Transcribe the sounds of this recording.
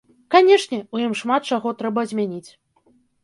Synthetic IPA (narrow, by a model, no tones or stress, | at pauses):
kanʲɛʂnʲɛujimʂmat̪̚t͡ʂaɣɔt̪ɾɛbɐzʲmʲanʲit͡sʲ